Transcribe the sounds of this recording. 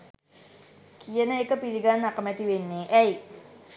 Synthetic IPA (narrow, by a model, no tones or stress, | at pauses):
kiənəekəpiliɡanːakəmɛt̪iwenːeʔɛi